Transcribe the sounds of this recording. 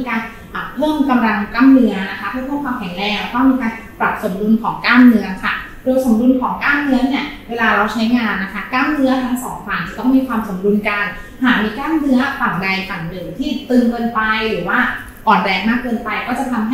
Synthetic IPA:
iː˧kaː˧n | ʔa˨˩pʰɤː˥˩mka˧mɾa˧ŋklaː˥˩mnɯ˧˦˥ɐna˦˥kʰa˦˥pʰɯ˥˩pʰːmkʰwaː˧mkʰɛ˨˩˦ŋɾɛː˧˩ŋ˩t̪ɔ˥˩ŋmiː˧kaː˧npɾa˨˩p̚so˩˦mdu˧nkʰɔː˩˦ŋkaː˥˩nːɯ˦˥ɐkʰa̰˥˩ | doː˧jso˩˦mdu˧nkʰɔː˩˦ŋkaː˥˩nnɯ˦˥ɐni˥˩ɐweː˧laː˧ɾa˧wt͡ɕʰa˦˥jŋaː˧nːa˦˥kʰa˦˥kaː˥˩mnɯ˦˥ɐt̪ʰa˦˥ŋsɔː˨˩˦ŋfaː˨˩nt͡ɕ̪a˨˩t̪ɔ˥˩ŋmiː˧kʰwaː˧mso˩˦mdu˧nka˧n | haː˨˩miː˧klaː˥˩mnɯ˦˥ɐfa˨˩ŋda˧jfa˨˩ŋdɯː˨˩˦mt̪ʰiː˥˩t̪ɯː˧ŋkɤː˧npa˧jɾɯː˨˩˦waː˥˩ | ʔɔː˨˩nɾɛː˧ŋmaː˥˩kːɤː˧npa˧jkɔː˥˩t͡ɕa˨˩t̪ʰa˧mɦa˥

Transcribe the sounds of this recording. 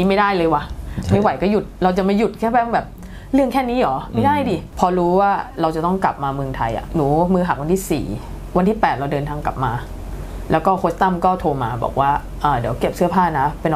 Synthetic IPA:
niː˦˥˩ma˥˩jdaː˥˩jlɤː˧jwa˨˩ma˥˩wa˨˦jkɔː˥˩ju˨˩t̪̚ɾa˧wt͡ɕa˨˩ma˥˩ju˨˩t̪̚kʰɛː˥˩pɛː˥˩˨bɛː˨˩p̚ | ɾɯ˥˩əŋkʰɛː˥˩niː˦˥ʔɔː˩˦ma˥˩jdaː˥˩jdiː˨˩pʰɔː˧ɾuː˦˥waː˥˩ɾa˧wt͡ɕa˨˩t̪ɔ˥˩ŋkla̰˨˩p̚maː˧mɯ˧əŋt̪ʰa˧jʔa̰˨˩nuː˩˦mɯː˧ɦa˨˩k̚wa˧nʰiː˥˩sḭː˨˩ | wa˧nt̪ʰiː˥˩pɛː˨˩t̪̚ɾa˧wdɤː˧nt̪ʰaː˧ŋka˨˩p̚maː˧ | lɛː˦˥wkɔː˥˩kʰo˦˥st̪a˥˩mkɔː˥˩t̪ʰoː˧ma̰ː˧bɔ̰ː˨˩k̚waː˥˩ | ʔɤː˨˧˩di˨˩˦əwke˨˩p̚sɯ˥˩ɐpʰaː˥˩na˦˥pe˧n

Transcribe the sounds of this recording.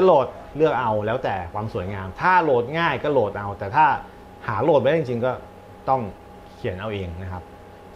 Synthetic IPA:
a˥loː˨˩t̪̚ | lɯ˥˩ək̚ʔa˧wlɛː˦˥wt̪ɛː˨˩kʰwaː˧msu˨˩˦jŋaː˧mt̪ʰaː˥˩loː˨˩t̪̚ŋaː˥˩jkɔː˥˩loː˨˩t̪̚ʔa˧wt̪ɛː˨˩t̪ʰaː˥˩ | haː˩˦loː˨˩t̪̚m˧˦˥i˧ŋ˩t͡ɕi˧ŋkɔː˥˩ | t̪ɔ˥˩ŋ | kʰi˨˩˦ənʔa˧wʔeː˧ŋna˦˥kʰa˦˥p̚

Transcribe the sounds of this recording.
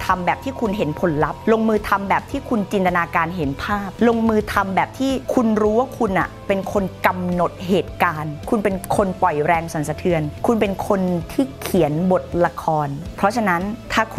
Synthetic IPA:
t̪ʰa˧mbɛː˨˩p̚t̪ʰiː˥˩kʰu˧nɦe˩˦npʰo˩˦nla˦˥p̚lo˧ŋmɯː˧t̪ʰa˧mbɛː˨˩p̚t̪ʰiː˥˩kʰu˧nt͡ɕi˧nt̪a˧naː˧kaː˧nɦe˩˦npʰaː˥˩p̚lo˧ŋmɯː˧t̪ʰa˧mbɛː˨˩p̚t̪ʰiː˥˩kʰu˧nɾuː˦˥wa˥˩kʰu˧nʔa̰˨˩pe˧nkʰo˧nka˧mno˨˩t̪̚ɦeː˨˩t̪̚kaː˧nkʰu˧npe˧nkʰo˧npɔ˨˩jɾɛː˧ŋsa˨˩˦nsa˧t̪ʰɯ˧ənkʰu˧npe˧nkʰo˧nt̪ʰiː˥˩kʰi˩˦ənbo˨˩t̪̚la˧kʰɔː˧npʰɾɔ˦˥t͡ɕʰa˧na˦˥nt̪ʰaː˥˩kʰ

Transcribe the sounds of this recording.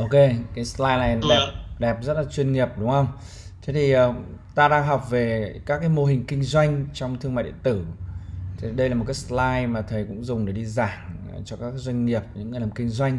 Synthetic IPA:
ʔo˧ke˧kaː˨˦jslaː˧jna˨˩jɗɛ˨˩p̚ɗɛ˨˩p̚zə˦˥t̚laː˨˩t͡ɕwi˧ənŋi˨˩əp̚ɗʊ˨˦ŋ͡mhə˧wŋ͡m | t̪ʰe˨˦t̪ʰi˨˩ʔəː˨˩ | t̪aː˧ɗaː˧ŋɦɔ˨˩wk͡p̚ve˨˩kaː˦˥kːaː˨˦jmo˧ɦï˨˩ŋ̟kï˧ŋ̟zwa˧jŋ̟t͡ɕɔ˧wŋ͡mt̪ʰɨ˧əmaː˧˨jɗ̰t̪ɨ˧˩˧ | ɗə˧jlaː˨˩m˨˩t̚kaː˨˦slaː˧jmaː˨˩t̪ʰə˨˩jkʊ̰˧˥ŋ͡mzʊ˨˩ŋ͡mɗe˧˩ɗi˧zaː˧˩ŋ | t͡ɕɔ˧kaː˦˥kːaː˧˦zwa˧jŋ̟ŋi˨˩əp̚ɲɨ̰˧˥ŋː˨˩laː˨˩kï˧ŋ̟zwa˧jŋ̟

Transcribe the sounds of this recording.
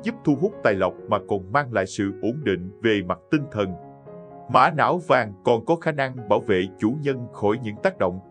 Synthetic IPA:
zu˦˥p̚t̪ʰu˧ɦʊ˦˥k͡p̚t̪aː˨˩jlə˨˩wk͡p̚maː˨˩kɔ˨˩nmaː˧ŋla̰ː˧˨jsɨ̰˧˨ʔo˨˦nɗḭ˧˨ŋ̟ve˨˩ma˨˩t̚t̪i˧ŋt̪ʰə˨˩n | ma̰ː˧˥na̰ː˧˥˦wvaː˨˩ŋkɔ˨˩nkɔ˨˦xaː˨˦na˧ŋɓaː˧˩wvḛ˧˨t͡ɕu˧˦ɲə˧nxɔ˧˩jɲɨ̰˧˥ŋt̪aː˦˥k̚ɗo̰˧˨wŋ͡m

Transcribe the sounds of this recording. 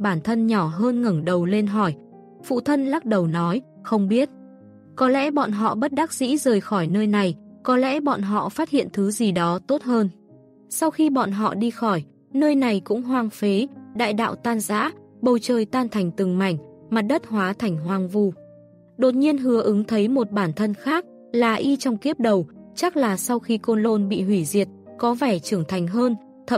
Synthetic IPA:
ɓaː˧˩nt̪ʰə˧nɲɔ˧˩ɦəː˧nŋə˧˩ŋɗə˨˩wle˧nɦɔ˧˩j | fṵ˧˨t̪ʰə˧nlaː˦˥k̚ɗə˨˩wnɔ˨˦j | xə˧wŋ͡mɓi˦˥ət̚ | kɔ˨˦lɛ̰˧˥ɓɔ̰˧˨nɦɔ̰˧˨ɓə˦˥t̚ɗa˦˥k̚zḭ˧˥zəː˨˩jxɔ˧˩jnəː˧jna˨˩jkɔ˨˦lɛ̰˧˥ɓɔ̰˧˨nɦɔ̰˧˨faː˦˥t̚hḭ˧˨ənt̪ʰɨ˨˦zi˨˩ɗɔ˨˦t̪o˦˥t̚həː˧n | sa˧wxi˧ɓɔ̰˧˨nɦɔ̰˧˨ɗi˧xɔ˧˩j | nəː˧jna˨˩jkʊ̰˧˥ŋ͡mɦwaː˧ŋfe˨˦ɗa̰ː˧˨jɗa̰ː˧˨wt̪aː˧nza̰ː˧˥ | ɓə˨˩wt͡ɕəː˨˩jt̪aː˧nt̪ʰa˨˩jŋ̟t̪ɨ˨˩ŋma̰˧˩jŋ̟ | ma˨˩t̚ɗə˦˥t̚hwaː˨˦t̪ʰa˨˩jŋ̟ɦwaː˧ŋvu˧˩ | ɗo˨˩t̚ɲi˧ənɦɨ˨˦əʔɨ˨˦ŋt̪ʰə˨˦jmo˨˩t̚ɓaː˧˩nt̪ʰə˧nxaː˦˥k̚ | laː˨˩ʔi˧t͡ɕɔ˧wŋ͡mki˦˥əp̚ɗə˨˩wt͡ɕa˦˥k̚laː˨˩sa˧wxi˧ko˧nlo˧nɓḭ˧˨ɦwi˧˩zi˨˩ət̚ | kɔ˨˦vɛ˧˩t͡ɕɨ˧˩əŋt̪ʰa˨˩jŋ̟ɦəː˧n | t̪ʰə˧

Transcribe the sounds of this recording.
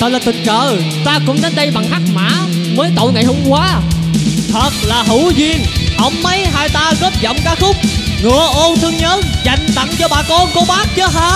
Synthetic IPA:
t̪ə˨˩laː˨˩t̪ɨ˨˩ŋt͡ɕəː˧˨ | t̪aː˧kʊ̰˧˥ŋ͡mnə˨˦jɗə˧jɓa˨˩ŋhaː˦˥k̚ma̰ː˧˨ | məː˨˦jt̪o̰˧˨jŋa˨˩jɦo˧ŋ͡mkwaː˨˦ | t̪ʰə˨˩t̚laː˨˩ɦu˧˩zi˧˩ənʔə˧˩wŋ͡mːə˨˦jɦaː˧jt̪aː˧ɣə˦˥p̚zɔ̰˧˨wŋ͡mkaː˨˥xʊ˦˥k͡p̚ŋɨ˨˩əʔo˧nt̪ʰɨ˧əŋɲəː˨˦nza˨˩jŋ̟t̪a̰˧˩ŋt͡ɕɔ˧ɓaː˨˩kɔ˧nko˨˧˦ɓaː˦˥k̚t͡ɕə˨˦ɦaː˧

